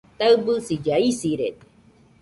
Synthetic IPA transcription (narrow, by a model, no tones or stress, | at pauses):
t̪aɯbɯsijaisiɾet̪